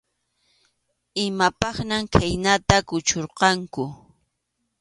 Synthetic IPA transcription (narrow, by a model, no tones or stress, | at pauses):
ɪmapɑχnamkʰajnat̪akʊt͡ʃoɾqɑŋkʊ